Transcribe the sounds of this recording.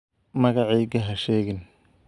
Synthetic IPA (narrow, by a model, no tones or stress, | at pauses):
mɐɣɑʕiːɡɐɦɐʃɛːɣɪn